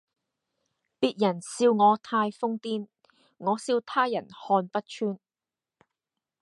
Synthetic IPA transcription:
piː˧t̚jɐ˨˩nsiː˧wŋɔː˨˧t̪ʰaː˧jfʊ˥ŋt̪iː˥n | ŋɔː˨˧siː˧wt̪ʰaː˥jɐ˨˩nhɔː˧npɐ˥t̚t͡ʃʰyː˥n

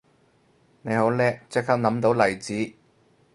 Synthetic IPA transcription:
ne˨˧jho˨˥wlɛː˥k̚t͡sɪ˥k̚kʰːaː˥k̚nɐ˨˥mt̪o˨˥wlɐ˨˩jt͡siː˨˥

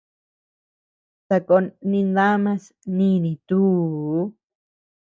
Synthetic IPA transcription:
t̪a˧ko˧˦nĩ˧nd̪a˦mã˧s | nĩ˧nĩ˧˨t̪u˦

